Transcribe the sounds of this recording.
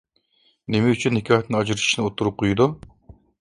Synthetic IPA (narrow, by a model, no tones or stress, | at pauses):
nemɛyt͡ʃʰynːɪkʰʲɑːɦɛt̪nɨɑd͡ʒɾɨi̥ʃnɨot̪ʰːuɾup̚qʰojud̪u